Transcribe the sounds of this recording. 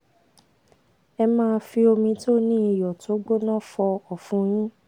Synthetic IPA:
ɛ˧mãː˦˧fi˧o˧mĩ˧to˦nĩ˦i˨jɔ˨to˨˦ɡ͡bo˦nɔ̃˦fɔ˧ɔ˨fũ˨˧j̃ĩ˦

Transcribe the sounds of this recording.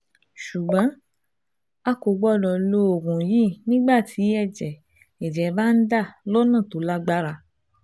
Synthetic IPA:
ʃu˨ɡ͡bã˨˦ | a˧ko˨ɡ͡bɔ˦˨lɔ˧˨lo˧˦o˨ɾũ˨ji˦nĩ˦ɡ͡ba˦˨tʰi˨˦ɛ˦˨d͡ʒɛ˨ | ɛ˨d͡ʒɛ˨˦ba˦n̩˦da˦˨lo˦nã˦˨to˨˦la˦ɡ͡ba˦ɾa˧

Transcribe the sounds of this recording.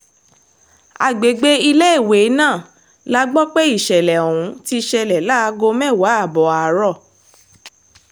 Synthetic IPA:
a̰˨ɡ͡be˨ɡ͡be˦i˧le˦e˦˨we˨˦nãː˦˨ | la˦ɡ͡bɔ˦k͡pe˦i˦˨ʃɛ˨lɛ˨õ˨ũ˨˦ti˧ʃɛ˧lɛ˨la˦˧˦ɡo˧mɛ̃˦˨wa˨˦a˦˨bɔ˨a˨˦ɾɔ˦˨

